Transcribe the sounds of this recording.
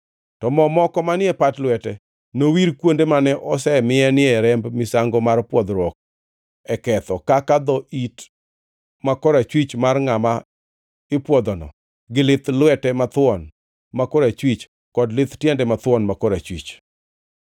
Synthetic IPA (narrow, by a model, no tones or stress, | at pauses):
tɔmɔmɔkɔmanɪɛpatlwɛtɛ | nowiɾkwondemanɛʔɔsɛmɪɛnɪɛɾɛmbmɪsaŋɡɔmarpwɔd̪ɾwɔk̚ | ɛkɛt̪ɔkakad̪ɔʔit | makɔɾat͡ʃwit͡ʃmarŋama | ɪpwɔd̪ɔnɔ̰ | ɡɪlɪt̪lwɛtɛmat̪wɔn | makɔɾat͡ʃwit͡ʃ | kɔdlɪt̪tjɛndɛmat̪wɔnmakɔɾat͡ʃwḭt͡ʃ